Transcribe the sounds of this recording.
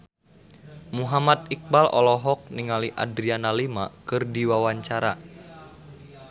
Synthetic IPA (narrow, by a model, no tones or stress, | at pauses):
muɦamat̪̚ik̚balɔ̰lɔɦɔk̚niŋaliʔa̰dɾianalimakɨrdiwawaɲt͡ʃaɾa